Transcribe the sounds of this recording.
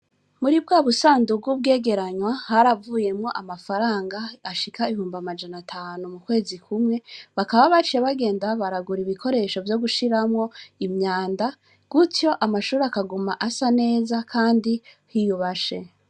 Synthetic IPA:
muɾib̚ɡaːβusaːndub̚ɡubɡe̞ːɡe̞ɾaɲwahaɾavuːje̞mŋo̞ʔamafaɾaːŋɡaːʃikʰaiβihuːmbamad͡ʒanatʰaːnumukwe̞ːzikʰumŋe̞βakaβaβat͡ʃeβaɡe̞ːndaβaɾaɡuɾiβikʰo̞ɾe̞ʃo̞vjo̞ɡuʃiɾamŋo̞imɲaːnda | ɡ̥utjo̞ʔamaʃuːɾeakaɡumaʔasane̞ːzakʰaːndi | hijuβaʃe̞

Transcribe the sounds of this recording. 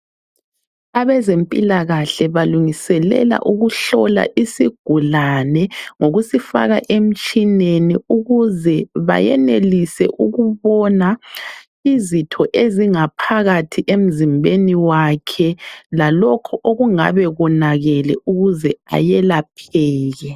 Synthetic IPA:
aβɛzempʼilaɣaɬɛβaluŋisɛlɛ̰la̰ʔuɣuɬɔla̰ʔisiɡ̥ʱulanɛŋoɣusifa̰ɣaʔem̩t͡ʃʼineniuɣuzɛβa̰jɛ̰nelisɛ̰ʔuɣuβɔna | izitʰɔʔeziŋapʰaɣatʰiʔem̩zimbʱeniwakʰɛlalɔkʰɔʔoɣuŋa̰βɛɣɔnaɣɛlɛʔuɣuzɛa̰jɛlapʰɛːɣɛ

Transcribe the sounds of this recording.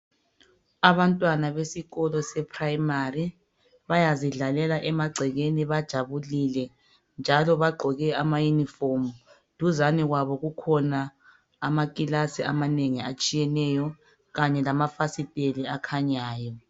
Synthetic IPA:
aβantʼwanaβesiɣɔlɔsɛpʰraimari | βajaziɮalɛlaʔɛmaɡ͡ǀʱɛɣeniβad̥ʒ̥ʱaβulilɛ | nd͡ʒʱalɔβaɡ͡ǃʱɔɣɛamajunifomu | d̥ʱuzaniɣwaβɔɣukʰɔnaː | makʼilasia̰maneŋiat͡ʃʼijɛnɛjɔ | ɣaɲɛlamafasitʼeliakʰaɲaːjɔ

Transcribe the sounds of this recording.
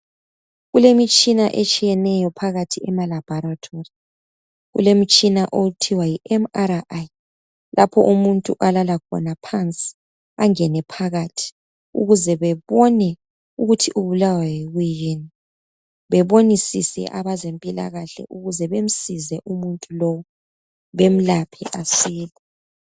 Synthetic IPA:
ɣulemit͡ʃʼinaʔet͡ʃʼijɛnɛjɔpʰaɣatʰiɛmalab̥ʱɔɾatʰori | ɣṵlemit͡ʃʼinaʔoutʰiwajiʔɛmaɾaʔj | lʔapʰɔ̰ʔumuntʼṵʔalalakʰɔ̰napʰant͡sʼi̥ | aŋɛnɛpʰaɣatʰi̥ | ṵɣuzɛβɛβɔnɛ | uɣutʰiʔuβulawajeɣijeni | βɛβonisḭsɛ̰ʔaβazempʼila̰ɣaɬɛ̰ʔuɣuzɛβem̩sizɛʔumuntʼulɔwɔ | βem̩lapʰɛ̰ʔasiːlɛ

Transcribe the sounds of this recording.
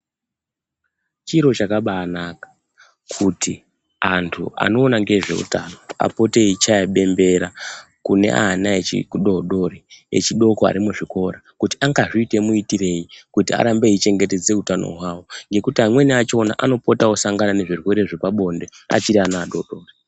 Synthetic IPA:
t͡ʃiɾo̞t͡ʃakaɓaːnakḁ | kʰutʰi | antʰṵa̰no̞ːnaŋɡe̞ʐe̞̰ṵtano̞a̰po̞te̞it͡ʃajaɓe̞mbe̞ɾa | kune̞̰ʔa̰naet͡ʃḭkuɗo̞ɗo̞ɾeḛt͡ʃiɗo̞koa̰ɾimuʐiko̞ɾakuti̥aŋɡaʐiːte̞muitire̞jikutia̰ɾambeit͡ʃe̞ŋɡe̞te̞d͡ze̞utano̞̰ɦwawo̞ŋɡe̞kutiɦamwe̞niat͡ʃo̞naʔano̞po̞tawosaŋɡanane̞ʐirwe̞ɾeʐepaɓo̞nde̞a̰t͡ʃiɾianaːɗo̞ɗo̞ːri

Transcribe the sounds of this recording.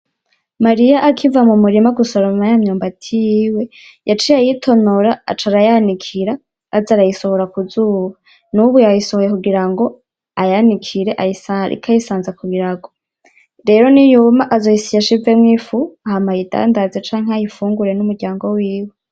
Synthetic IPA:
maɾijaʔakʰivamumuɾimaɡusoɾamajamɲoːmbatʰijiːwe̞ | jat͡ʃijajitʰo̞noɾaa̰t͡ʃaɾajanikʰiɾaː | zaɾajiso̞hoɾakuzuːβa | nuβujajiso̞hojekuɡiɾaŋɡo̞ | ajanikʰiɾe̞ʔaiaḭkʰajisaːnzakuɡiɾaɡo̞ | ɾe̞ɾo̞nijumaʔazojisijaʃivemŋiːfuahamajida̰ːndazet͡ʃaːŋ̥ɦeajifuːŋɡuɾe̞numuɾɟaːŋɡo̞wiːwe

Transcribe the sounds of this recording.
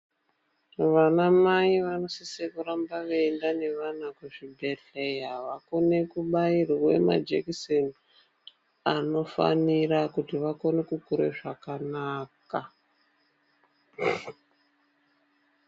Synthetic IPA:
ʋanamaiʋano̞sisekuɾambaʋeendane̞ʋanakweʐibʱetejɦaʋako̞ne̞kuɓairwe̞̰ma̰d͡ʒekson | ano̞fa̰nirakutiʋako̞nekukuɾḛʐakanaːka

